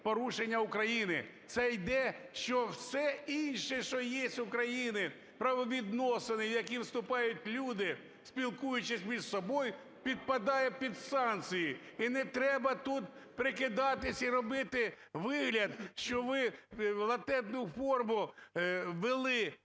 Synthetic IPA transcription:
pɔɾuʃenʲːɐʊkɾɐjinɪ̰t̪sɛjd̪ɛʃt͡ʃɔwsɛinʲʃɛʃɔjesʲtʲʊkɾɐjinɪ | pɾɐʋɔʋʲid̪nɔsɪnɪjɐkʲiwst̪ʊpɑjʊtʲlʲud̪ɪ | spʲilˠkujʊt͡ʃɪsʲmʲizsɔbɔj | pʲid̪̚pɐd̪ɑjɛpʲid̪sɑnk̪t͡sʲijiinɛt̪ɾɛbɐt̪ut̪̚pɾɪkɪd̪ɑt̪ɪsʲiɾɔbɪt̪ɪ | ʋɪɦlʲɐd̪ʃt͡ʃɔʋɪlˠɐt̪ɛd̪nʊfɔrmʊ | ʋɪlˠɪ

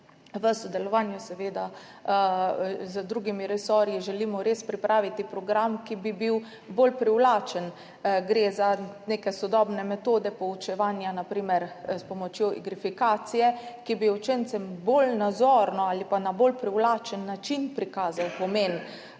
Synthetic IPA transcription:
ʋəsɔd̪ɛlɔʋanjusɛʋeːd̪a | zəd̪ɾuːɡimiɾɛsɔɾjiʒɛlimɔɾeːspɾipɾaːʋit̪ipɾɔɡɾamkibibiw | bolpɾiwlaːt͡ʃən | ɡɾeːzaneːkɛsɔd̪ɔːbnɛmɛt̪oːd̪ɛpɔut͡ʃɛʋaːnjanapɾiːmɛɾspɔmɔt͡ʃjoḭɡɾifikaːt̪sijɛkibiot͡ʃent̪sɛmbolnazɔɾnɔalipanabolpɾiwlaːt͡ʃənːat͡ʃinpɾikaːzawpɔmeːn

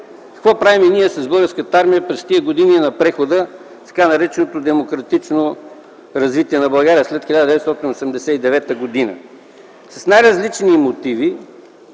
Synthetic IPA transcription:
kɐ̥kvɔpɾaviminiɛsɐzbɤlˠɡəɾskət̪əaɾmijəpɾɛst̪iəɡod̪ininɐpɾɛxod̪ə | t̪ɐ̥kanɐɾɛt͡ʃɛnot̪od̪ɛmokɾɐt̪it͡ʃno | ɾɐzvit̪iɛnɐbɐlˠɡaɾiəslɛt̪xilʲad̪əd̪ɛvɛt̪st̪ɔt̪inosɛmd̪ɛsɛid̪ɛvɛt̪əɡod̪inə̰ | sɐ̥snajɾɐzlit͡ʃnimot̪ivi

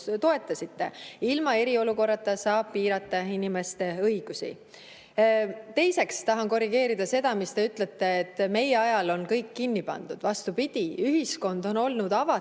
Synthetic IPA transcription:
t̪o̞e̞t̪ːˑɑsit̪ːe̞̰ilmɑe̞ɾio̞luko̞rːɑt̪ːˑɑsɑːb̥̚piːɾɑt̪ːˑɑinime̞st̪e̞ɤjɡ̥usḭ | t̪e̞jse̞kst̪ɑɦɑnko̞riɡ̥e̞ːɾid̪̥ɑse̞d̪̥ɑmist̪e̞yt̪ˑle̞t̪ːe̞ːt̪ːˑme̞jeɑjɑlo̞nkɤjkːinːipɑ̰nd̪̥ud̪̥vɑst̪upid̪̥ʲiyɦisko̞nd̪o̞no̞lnud̪ɑvɑ

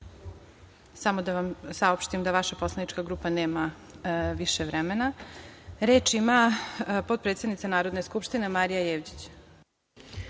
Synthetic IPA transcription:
samod̪aʋamsao̞pʃt̪imd̪aʋaʃapo̞slˠanit͡ʃkaɡɾuːpaneːma | ʋiʃeʋɾɛmena | ɾe̞ːt͡ʃimapo̞d̪̚pɾet̪sed̪nit̪anaːɾo̞d̪neskupʃt̪ine̞maɾijajeːʋd͡ʑi̥t͡ɕ

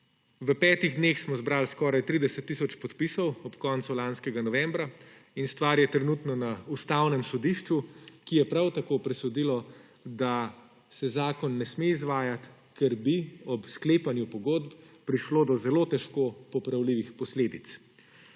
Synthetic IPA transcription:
ʋəpɛːt̪iɣd̪neːxsmɔzbɾaːlskɔːɾajt̪ɾid̪ɛsɛt̪ːisɔt͡ʃpɔt̪pisɔwɔpkɔnt̪sulanskɛɡanɔʋɛmbɾa | inst̪ʋaːɾjɛt̪ɾɛnut̪nɔnaust̪awnɛmsɔd̪iʃt͡ʃukijɛpɾawt̪akoːpɾɛsɔd̪ilɔ | d̪a | sɛzaːkɔnːɛsmeizʋaːjat̪ | kɛɾbiɔpskleːpanjupɔɡoːd̪p | pɾiʃloːd̪ɔzɛlot̪ɛʃkoːpɔpɾawliʋixpɔsleːd̪it̪s

